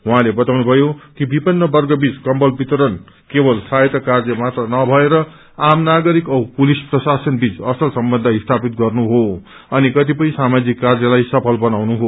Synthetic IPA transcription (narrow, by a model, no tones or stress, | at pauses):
ɦuɦãlebʌt̪awnubʱʌjokibipʌnːʌbʌrɡʌbit͡skʌmbʌlbit̪ʌɾʌn | kebʌlsajet̪ʌkard͡zʌmat̪rʌnʌbʱʌeɾʌ | amnaɡʌɾikʌpulisprʌsasʌnbit͡sʌsʌlsʌmbʌnd̪ʱʌist̪ʰapit̪̚ɡʌrnuɦo | ʌnikʌt̪ipʌĩsamad͡zikːard͡zʌlajsʌpʰʌlbʌnawnuɦo